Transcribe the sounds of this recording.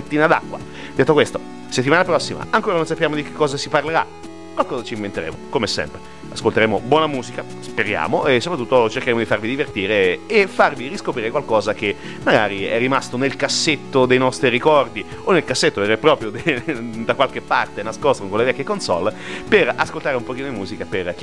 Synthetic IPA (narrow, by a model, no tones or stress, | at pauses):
et̪ːiːnad̪a̰kːwa̰ | d̪et̪ːokwest̪o | set̪ːimaːnapɾɔsːima̰aŋkoːɾanõnsapjaːmod̪ikekːɔːzasiparleɾa̰ | kwalkɔːzat͡ʃiɱvent̪eɾḛːmo̰komesɛ̰mpɾe | askolt̪eɾeːmobwɔːnamuːzika | speɾja̰ːmoesːopɾat̪ːut̪ːot͡ʃerkeɾeːmod̪ifarvid̪ivert̪iːɾeːfːarviriskopɾiːɾekwalkɔːzake | maɡa̰ːɾiɛ̰rːimast̪onelkasːet̪ːod̪ejnɔst̪ɾiɾikɔrd̪i | onːelkasːet̪ːoverːepːɾɔːpɾjod̪ed̪akwalkepːart̪enaskost̪ɾokonlevɛkjekonsɔ̰lːperaskolt̪aːɾeumpok̟iːnod̪imuːzikaperk